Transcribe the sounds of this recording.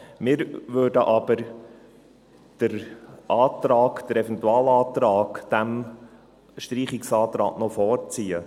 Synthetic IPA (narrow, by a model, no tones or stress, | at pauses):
mɪːɾʋøːdəʔɑb̥əɾ | d̥əɾʔɑːt̪ɾɑːɡd̥əɾɛfɛnt̪uɑːlɑːt̪ɾɑːkd̥æm | ʃtɾiːχɪksɑːt̪ɾɑ̰ːknɔfɔːɾt͡siːə